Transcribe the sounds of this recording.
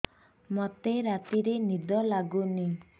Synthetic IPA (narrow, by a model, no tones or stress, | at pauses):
mɔt̪eɾat̪iɾenid̪ɔlaɡuni